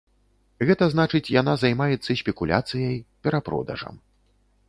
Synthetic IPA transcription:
ɣɛt̪ɐznat͡ʂɨt͡sʲjan̪azajmajɛt̪sːɐsʲpʲɛkulʲa̰t̪sɨjɐjpʲɛɾapɾɔ̰d̪ɐ̰ʐɐ̰m

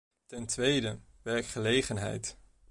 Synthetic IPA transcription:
tɛntʋejdə | ʋɛɹkχəlejχənɦɛ̰jt

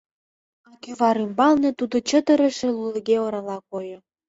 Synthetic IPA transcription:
ɑkyβɑɾymbɑlnet̪ud̪ot͡ɕət̪ə̆ɾə̆ʃĕluləɣeoɾɑlɑkojŏ

